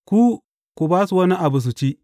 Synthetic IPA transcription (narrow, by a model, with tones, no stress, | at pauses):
ku˦ | ku˨baː˦su˨wɐ˦ni˦ʔa˨bu˨s̬u˨t͡ʃi˦